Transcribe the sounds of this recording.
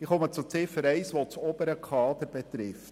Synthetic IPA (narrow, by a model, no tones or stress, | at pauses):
ɪχɔmət͡sut͡sɪfəɾɛɪsʋot͡sɔbəɾəkʰɑːd̪̥əɾbɛt̪ɾɪft